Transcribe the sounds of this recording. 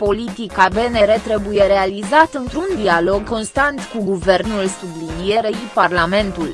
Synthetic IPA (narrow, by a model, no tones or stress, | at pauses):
po̞lit̪ikabe̞ne̞ɾe̞t̪ɾe̞buje̞ɾe̞alizat̪ɨnt̪ɾund̪ialo̞ɡko̞nst̪ant̪kuɡuve̞rnulsublinije̞ɾeiparlame̞nt̪ul